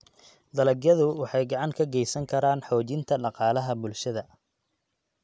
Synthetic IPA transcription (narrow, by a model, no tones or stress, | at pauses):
d̪ɐlɐɡjɐðʊwɑħɑjɡɑʕɑŋkʰɐɡɛjsɐŋkʰɐɾaːnħɔːt͡ʃɪnt̪ʰɐɖɑqɑːlɐɦɐbʊlʃɐðɐ